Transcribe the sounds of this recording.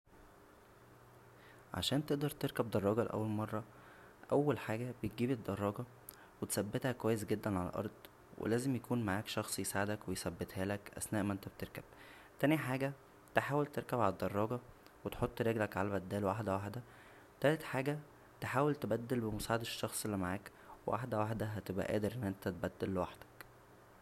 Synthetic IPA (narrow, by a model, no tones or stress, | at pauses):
ʕa̰ʃæːnt̪eʔd̪ɑɾˤt̪eɾkæbd̪ɑrˤːɑːɡɑleʔæ̰wːælmɑrˤːɑ | ʔæwːælħaːɡæb̥et̪̚ɡiːbed̪ːɑrˤːɑːɡɑ | wet̪sæbːet̪hækwæjːesɡed̪ːænʕalæ̰ʔɑ̰ɾˤd̪ˤ | wḛlæːzemjækuːnmaʕaːkʃɑxsˤjesʕed̪ækwejsæbːet̪hæːlækʔæ̰snæːʔmæʔent̪æb̚t̪eɾkæb̥̚ | t̪æniħaːɡæ | t̪eħaːwelt̪eɾkæbʕalæd̪ːɑrˤːɑːɡɑ | wet̪ħot̪ˤːɾeɡlækʕalæbæd̪ːæːlwwaħd̪æwaħd̪æ | t̪ælet̪ħaːɡæ | t̪eħaːwelt̪ebæd̪ːelbemosʕed̪eʃːɑxsˤelːimaʕaːk | wḛwa̰ħd̪æwaħd̪æɦæt̪ebʔæ̰ʔæ̰ːd̪eɾʔenːʔent̪æt̪bæd̪ːælːewaħd̪æ̥k